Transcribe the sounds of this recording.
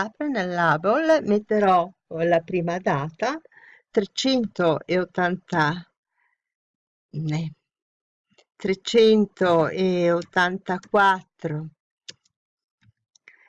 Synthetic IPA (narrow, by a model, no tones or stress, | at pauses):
apɾenelːabolmet̪ːeɾɔlapɾiːmad̪aːt̪a | t̪ɾet͡ʃɛnt̪oeot̪ːant̪a | nɛ | t̪ɾet͡ʃɛnt̪oeot̪ːant̪akwat̪ːɾo